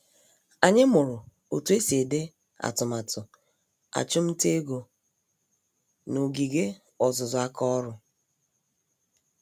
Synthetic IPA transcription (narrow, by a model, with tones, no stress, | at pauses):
a˨ɲɪ˦mʊ˨ɾʊ˨ | o˨tu˦e˦se˨de˦ | a̰˨tʊ˨ma˨tʊ˨ | a̰˨t͡ʃʊ˦m̩˦te˦ɡo˨ | no˨ɡi˨ɡe˦ | ɔ˨zʊ˨zʊ˨a˦kɔ˦ɾʊ˦